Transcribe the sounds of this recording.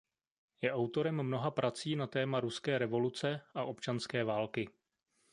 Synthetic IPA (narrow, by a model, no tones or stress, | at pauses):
jɛʔawt̪o̞ɾɛmːno̞ɦapɾʔat͡siːnat̪ɛːmaɾuskɛːɾɛvo̞lut͡sɛʔaʔo̞pt͡ʃanskɛːvaːlkɪ